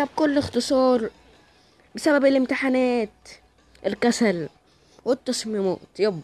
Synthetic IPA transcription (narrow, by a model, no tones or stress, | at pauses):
ab̚kʊlːɪxt̪ɨsˤɑːɾˤ | bɪsababɪlɪmt̪ɪħanaːt̪ | ʔɪlkasal | wɪt̪ːɑsˤmimo̰ːt̪job